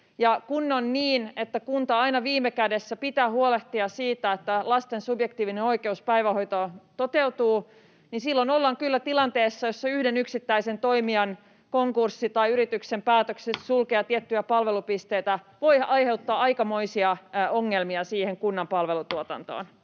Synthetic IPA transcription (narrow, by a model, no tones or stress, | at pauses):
jɑkunːonniːnet̪ːækunt̪ɑɑinɑʋiːmːekædesːæpit̪æːhuoleht̪iɑsiːt̪æet̪ːælɑst̪ensubjek̚t̪iːʋineno̞ike̞uspæjʋæho̞jt̪ot̪ot̪eut̪uː | ninsilːonolːɑŋkylːæt̪ilɑnt̪eːsːɑjosːɑyhdenyksit̪ːæisent̪o̞imiɑn | koŋkursːit̪ɑiyɾit̪yksempæːt̪øksessulkeɑt̪iet̪ːyjæpɑlʋe̞lupist̪eit̪æ | ʋo̞jɑjhe̞wt̪ːɑːɑikɑmo̞isiɑoŋːelmiɑsiːheŋkunːɑmpɑlʋelut̪uot̪ɑ̰nt̪o̰ːn